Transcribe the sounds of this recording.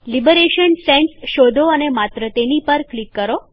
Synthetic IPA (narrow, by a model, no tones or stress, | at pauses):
libəɾeʃənsẽɳsʃod̪ʱoənemat̪ɾət̪enipəɾklikːəɾo